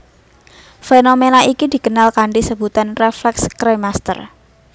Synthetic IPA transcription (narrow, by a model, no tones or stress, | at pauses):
fenomenaikid̪̥i̤ɡənalkaɳɖisəbut̪anreflɛkskɾajmast̪ə̰r